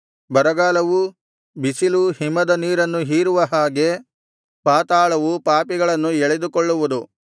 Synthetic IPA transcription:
bɐɾɐɡaːlɐʋu | bisiluhimːɐd̪ɐniːɾɐnːuɦiːɾuʋɐɦaːɡe̞ | paːt̪aːɭɐʋupaːpiɡɐɭɐnːuɛɭed̪ukɔɭːuʋud̪u

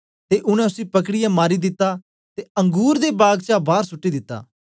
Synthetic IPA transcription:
t̪eʔʊɽ̃ɛ̃ʊsipɐkɽɪjamaːɾid̪ɪt̪ːa | t̪eɐ̃ŋɡuːɾd̪ebaːɡt͡ʃabaːɾsʊʈːid̪ɪt̪ːa̰ː

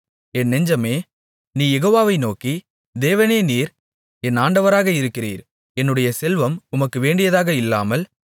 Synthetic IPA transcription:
ɛnːɛɲd͡ʒɐmeː | niːjɛɣoːʋaːʋɐɪnoːki | d̪eːʋɐneːniːɾ | ɛnaːɳɖɐʋɐɾaːɣɐɪɾɯkːɪrḭːɾ | ɛnːɯɽɐjɐsɛlʋɐmʊmɐkːɯʋeːɳɖɪjɐðaːɣɐɪlːa̰ːmɐl

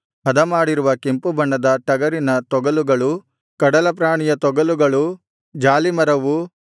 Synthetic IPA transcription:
ɦɐd̪ɐmaːɽiɾuʋɐkempubɐɳːɐd̪ɐʈɐɡɐɾinɐt̪ɔɡɐluɡɐɭu | kɐɽɐlɐp̬ɾaːɳijɐt̪ɔɡɐluɡɐɭu | d͡ʒaːlimɐɾɐʋu

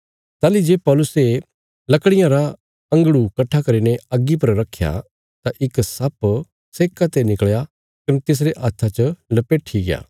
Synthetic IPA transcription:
t̪aːlid͡ʒeːpɔːlʊse | lɐkɽ̃ɪjãɾa | ɐ̃ŋɡɽukɐʈʰːakɐɾineɐɡːip̬ɐɾɾɐkʰːja̰ | t̪aʔɪksɐp | seːkat̪enɪkɭja | kɐnt̪es̬ɾeʔaːt̪ʰːat͡ʃəlɐpeʈʰiɡɪja̰ː

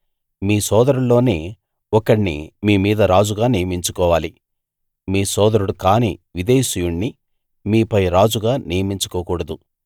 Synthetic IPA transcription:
miːsɔːd̪ɐɾuɭːoːneː | ɔkɐɽnḭmiːmiːd̪ɐɾaːd͡ʒuɡaːnijɐmiɲt͡ʃukɔːʋaːli | miːsɔːd̪ɐɾuɽukaːnḭːʋid̪eːsijuɳːi | miːpɐjɾaːd͡ʒuɡaːnijɐmiɲt͡ʃu̥kɔːkuːɽɐd̪u

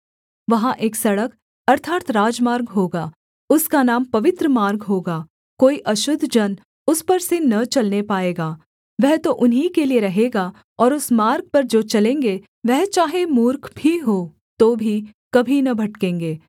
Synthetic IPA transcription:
ʋɐɦãʔeːksɐɽək | ɐɾt̪ʰaːt̪ɾaːd͡ʒmaːɾɡɦoːɡaː | ʊskanaːmpɐʋɪt̪ɾəmaːɾɡɦoːɡaː | koːiʔɐʃʊd̪ʱd͡ʒɐn | ʊspɐɾsenɐt͡ʃɐlnepaːeːɡaː | ʋɛɦt̪oʔʊnɦikelieɾɐɦeːɡaː | ɔːɾʊsmaːɾɡ̚pɐɾd͡ʒoːt͡ʃɐlẽːŋɡe | ʋɛɦt͡ʃaːɦemuːɾkʰbʱiɦoː | t̪oːbʱikɐbʱinɐbʱɐʈkẽːŋɡeː

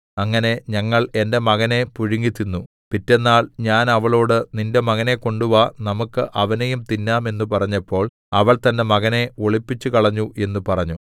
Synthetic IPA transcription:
ɐŋːɐne̞ɲɐŋːɐɭe̞nde̞mɐɣɐne̞puɻiŋɡit̪ːinːu | pitːe̞nːaːɭɲaːnɐʋɐɭo̞ːɽɨninde̞mɐɣɐne̞ko̞ɳɖuʋɐnɐmukːɨʔɐʋɐnejumt̪inːaːme̞nːupɐrɐɲːɐpːo̞ːɭ | ɐʋɐɭt̪ɐnde̞mɐɣɐne̞oɭipːit͡ɕːukɐɭɐɲːuʔe̞nːupɐrɐɲːu

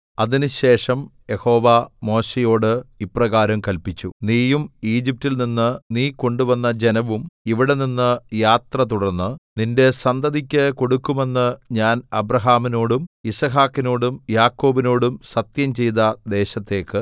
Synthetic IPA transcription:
ɐðinɨɕe̞ːʂɐmje̞ho̞ːʋamo̞ːɕejo̞ːɽɨiprɐɣaːɾɐmkɐlpit͡ɕːuniːjumiːd͡ʑip̚tilninːɨniːko̞ɳɖuʋɐnːɐd͡ʑe̞nɐʋumiʋiɽe̞ninːɨjaːt̪rɐt̪̬uɽɐnːɨninde̞sɐnd̪ɐd̪ikʲːɨko̞ɽukːume̞nːɨɲaːnɐbɾɐɦaːmino̞ːɽumisɐɦaːkːino̞ːɽumjaːkːo̞ːbino̞ːɽumsɐt̪jɐmt͡ɕe̞jðɐd̪e̞ːɕɐt̪ːe̞ːkːɨ

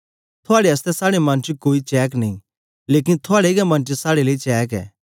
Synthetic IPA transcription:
t̪ʰoaːɽeɐst̪ɛsaːɽemãːnt͡ʃikoːit͡ʃɛːknĩ | leːkɪnt̪ʰʊaːɽeɡɛmãːnt͡ʃisaːɽeleit͡ʃɛːkɛ̰ː

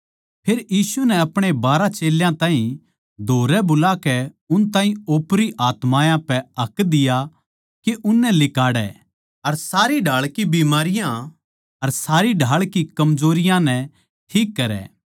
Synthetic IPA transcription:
pʰeːɾjiːsunɛɐpɽ̃ebaːɾat͡ʃeːljãt̪aːɦĩ | d̪ʱoːɾɛbʊlakɛ | ʊnt̪ãːɦĩoːpɾiʔaːt̪mãːjãpɛɐkd̪ɪja | keʔʊnːɛlɪkaːɽɛ̰ | ɐɾsaːɾiɖʱaːɭkibiːmaːɾɪjã | ɐɾsaːɾiɖʱaːɭkikɐmzoːɾɪjãnɛ | ʈʰiːkːɐɾɛ̰ː

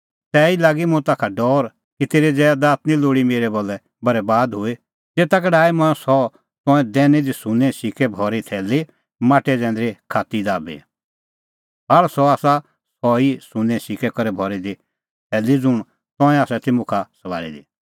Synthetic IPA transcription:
t̪ɛːilaːɡimʊ̃t̪aːkʰaɖɔːɾ | kit̪eːɾed͡zɛːd̪aːt̪nĩloːɽimeːɾɛboːlːɛ | bɐɾɛbaːd̪ɦʊe | d͡zeːt̪ak̬ɛɖaːimɐ̃sɔ | t̪ɔ̃ɛ̃d̪ɛːnɛd̪isʊ̃nɛ̃sɪkʰɛbʱɔːɾit̪ʰɛːlːi | maːʈɛd͡zɛ̃ːnd̪ɾekʰaːt̪id̪aːbḛ | ɦɐɭsɔaːsa | sɔisʊnɛ̃sɪkʰɛkɐɾɛbʱɔːɾid̪i | t̪ʰɛːlid͡zʊɽ̃ | t̪ɔ̃ːɛ̃aːsɛt̪ɪmũkʰasɐʋa̰ːɾḭd̪ḭː

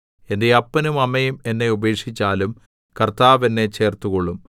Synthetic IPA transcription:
e̞ndeɐpːɐnumɐmɐjume̞nːe̞ube̞ːkʂit͡ɕːaːlum | kɐrt̪aːʋe̞nːe̞t͡ɕe̞ːrt̪ukoɭːum

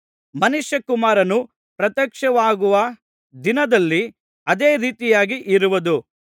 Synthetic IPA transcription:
mɐnuʃjɐkumaːɾɐnu | pɾɐt̪jɐkʂɐʋaːɡuʋɐ | d̪inɐd̪ɐlːi | ɐd̪eːɾiːt̪ijaːɡiʔiɾuʋɐd̪u

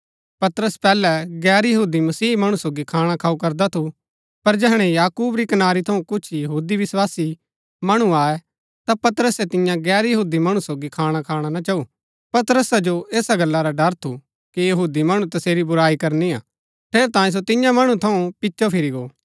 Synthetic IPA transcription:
pɐt̪ɾəspɛːlɛɡɛːɾjɐɦuːd̪imɐsiːmɐɽ̃usoːɡikʰaːɽ̃akʰaːukɐɾd̪at̪ʰu | pɐɾd͡ʒɛɦɽ̃ɛ̃jaːkuːbɾikɐnaːɾit̪ʰɐũkʊt͡ʃʰjɐɦuːd̪iʋɪswaːsi | mɐɽ̃uaːɛ | t̪apɐt̪ɾəsɛt̪ɪ̃jãɡɛːɾjɐɦuːd̪imɐɽ̃ũsoːɡikʰaːɽ̃akʰaːɽ̃anat͡ʃaːu | pɐt̪ɾəsad͡ʒoʔeːsaɡɐlːaɾaɖɐɾt̪ʰu | kijɐɦuːd̪imɐɽ̃ũt̪ɐseːɾibʊɾaːikɐɾnia̰ː | pʰeːɾt̪aːĩs̬ot̪ɪjãmɐɽ̃ũt̪ʰɐũpɪtːʃopʰɪɾiɡoː

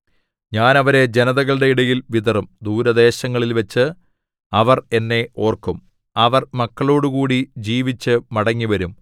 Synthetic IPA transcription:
ɲaːnɐʋɐɾe̞d͡ʑe̞nɐðɐɣɐɭɨɽe̞iɽɐjilʋid̪ɐrumd̪uːɾɐd̪e̞ːɕɐŋːɐɭilʋɐt͡ɕːɨ | ɐʋɐre̞nːe̞ʔo̞ːrkum | ɐʋɐrmɐkːɐɭo̞ːɽukuːɽid͡ʑiːʋit͡ɕːɨmɐɽɐŋːiʋɐɾum

